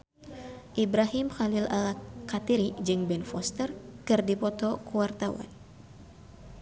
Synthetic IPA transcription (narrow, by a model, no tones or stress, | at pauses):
ʔibɾaɦɪmxalɪlalaat̪iɾid͡ʒɨŋbɛnfɔst̪ərkɨrdipɔt̪ɔkuwart̪awa̰n